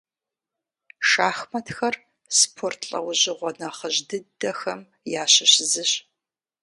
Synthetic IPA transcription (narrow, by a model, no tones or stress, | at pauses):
ʃaːxmɐtʰxɐr | spʰortʰɬʼɐ̰wʑɪʁʷɔnɐχəʑdɨdɐxɐm | jaːɕɪɕzɨɕ